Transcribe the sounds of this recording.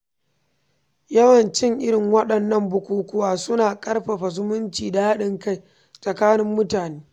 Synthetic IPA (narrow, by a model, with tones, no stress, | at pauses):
jɐ˦wɐ˨nt͡ʃɪ˦ŋʔɪ˦ɽɪ˨ŋwɐ˦ɗɐ˨nːɐ˦mbʊ˨kʷuː˦kʷʊ˦waː˦˨sʊ˦naː˨kʼɐ˦rɸɐ˨ɸa˨zʊ˦mʊ˦nt͡ʃiː˨da˨ha˦ɗɪ˨ŋka˦˨j | sʼɐ˨kaː˦nɪ˦mːʊ˦taː˨neː˦